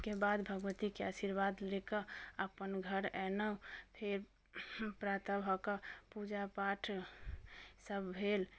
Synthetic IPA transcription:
kebad̪bʱəɡʋət̪ikeasiɾbad̪lekəəpənɡʱəɾɛnəpʰeɾ | pɾat̪əbɦɔkəpud͡ʒapaʈʰ | səbːʱel

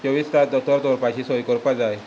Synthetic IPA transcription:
t͡ɕəʋist̪at̪ət̪əɾt̪ɔɾpat͡ɕiːsɔjkɔɾpad͡zaj

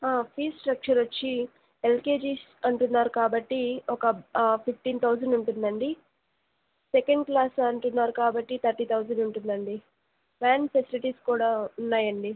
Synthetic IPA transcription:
aːpʰiːsʈɾɐk̚t͡ʃɐɾʋɐt͡ʃːi | elkeːd͡ʒiːs | ɐɳʈunːaːɾukaːbɐʈːiɔkɐpʰipʰʈiːnt̪ʰɐwsɐɳɖuɳʈund̪ɐɳɖi | sekɐɳɖ̚klaːsɐɳʈunːaːɾukaːbɐʈːit̪ʰɐɾʈiːt̪ʰɐwzɐɳɖuɳʈund̪ɐɳɖi | maːnpesiliʈiːskuːɽaːunːaːjɐɳɖi

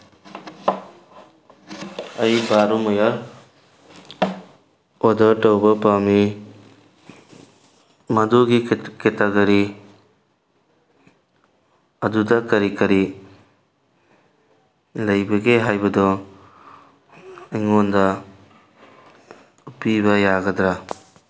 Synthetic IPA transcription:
ɐjbaɾɔmɔjaɾ | odɐɾtɐwbɐpami | mɐduɡiketaɡɐɾi | ɐdudɐkɐɾikɐɾi | lɐjbɐɡeɦajbɐdɔ | ɐjŋondɐ | upibɐjaɡɐd̪ɾa

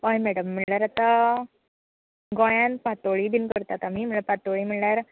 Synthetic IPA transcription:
ʋajmæɽəmːiɭljaɾat̪a | ɡɔ̃jãnpat̪oɭibʱinkəɾt̪at̪amiːm̤əɭəpat̪oɭiːmiɭɳjaɾ

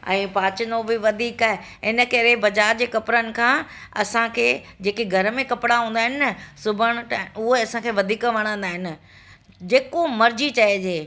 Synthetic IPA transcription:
ɛ̰̃ːpaːt͡ɕɪnobɪʋɐd̪ʱiːkaːɦe | ɪnə̆kɐɾebɐd͡ʑaːɾd͡ʑeːkɐpɾənɪ̆kʰãːɐsãkʰeːd͡ʑeːkeɡʱɐɾmẽkɐpɪɽaɦũːnd̪aːɦɪnɪəsʊbʱəɽ̃̆ʈːʊɦeɐsãkʰeːʋɐd̪ʱiːkʋɐɽ̃ãːn̆d̪aːɦɪnɪ̆ | d͡ʑeːkomɐɾd͡ʑit͡ɕɐed͡ʑeː

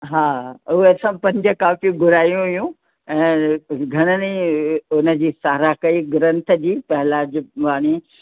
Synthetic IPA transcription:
ɦaːuɦesãpɐ̃ɲd͡ʑə̆kaːfiɡʱʊɾaːjũɦʊjũ | ɛ̃ːɡʱɐɽ̃əniʊnə̆d͡ʑiːsaːɾakɐiɡɾə̃nt̪ʰə̆d͡ʑiːpɐɦɪlaːd͡ʑʋaːɽ̃i

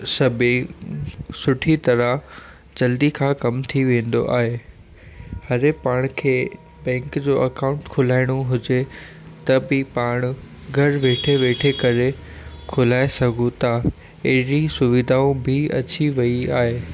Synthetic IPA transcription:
sɐbʱẽ | sʊʈʰit̪ɐɾə | d͡ʑɐld̪ikʰãːkɐmt̪ʰiʋẽːn̆d̪o̰ʔa̰ːɦe | hɐɾepaːɽ̃kʰeː | bɛ̃ːŋkd͡ʑoːʔɐkãʊ̃ɳʈkʰʊlaːɪɽ̃oɦʊd͡ʑe | t̪ɐbɪpaːɽ̃ | ɡʱɐɾʋeːʈʰeʋeːʈʰekɐɾe | kʰʊlaːesɐɡʱũt̪a | eɦɾisʊʋɪd̪ʱaːũbʱɪɐ̰t͡ɕiʋɐiaːɦeː

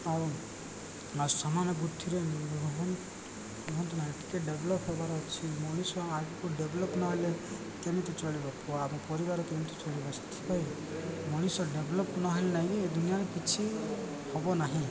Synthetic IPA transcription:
ɔ | asamanɔbud̪ʱiɾenbbʱɔɦɔn | biɦɔnt̪ɔnaɦiʈi̥keɖeblɔpɦɔbaɾɔt͡ʃʰimɔɽ̃isɔ̃aɡukuɖeblɔpnɔɦle | kemit̪ɔt͡ʃɔɭibɔkʰɔabɔ̃pɔɾibaɾɔkemit̪ɔt͡ʃɔɭibɔsɔ̥t̪ʰi̥paj | mɔɽ̃isɔ̃ɖebʱlɔpnɔɦɔlenaied̪unijaɾepit͡ʃʰi | hɔbɔnaɦĩ

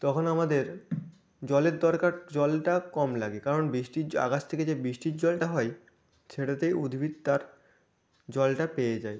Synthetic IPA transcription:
t̪ɔkʰonamad̪eɾ | d͡ʑɔleɾd̪ɔɾkaɾd͡ʑɔlʈakɔmlaɡekaɾonbɾiʃʈia̰ɡast̪ʰeked͡ʑebɾiʃʈid͡ʑɔlʈaɦɔe | ʃeʈat̪ejud̪ʱbʱid̪̚t̪aɾ | d͡ʑɔlʈapejed͡ʑae

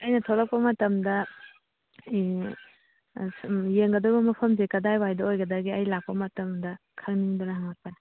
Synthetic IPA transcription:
ɐjnɐtʰolɐk̚pɐmɐtɐmdɐ | jeŋɡɐdɔbɐmɐpʰɐmzekɐdajwajdɐojɡɐdɐɡiɐjlak̚pɐmɐtɐmdɐ | kʰɐŋniŋdonɐɦaŋɐpanɐ

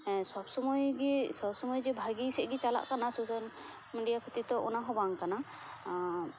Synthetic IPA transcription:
sɔbsɔmɔjɡisɔbsɔmɔjd͡ʒɛbʱaɡisɛʔɡit͡ʃala̰ʔkanasosal | miɖijakʰut̪it̪ɔʔɔ̰naɦɔbaŋkana

